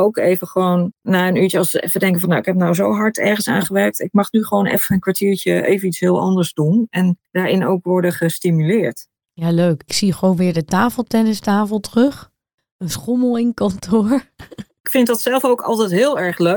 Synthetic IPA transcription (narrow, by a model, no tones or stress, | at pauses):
owkejvəχəʋownːaːənytjəɑlˠsəɛfədɛŋkəvɑnːawɪkɦɛp̚nawzowɦɑɹtʰɛ̰ɹχənsa̰ːnχəʋɛɹk̚tɪk̚mɑχnyχəʋownʔɛ̰fəənkʋaɹtiːɹtəḛjvənitsɦɪːlˠʔɑ̰ndəɹzdunɛnd̥aːɹɪno̰wkʋɔɹdəχəstimylɪːɹt | jaːløɥkɪksiχəʋownʋɪːɹdətaːfəlˠtɛnəstaːfəlˠtərɵχ | ənsχɔməlˠɪŋkɑntʰʊɹɪkfɪntdɑtsɛlˠfowkɑ̰lˠtɛjtɦɪːlˠɛɹχlø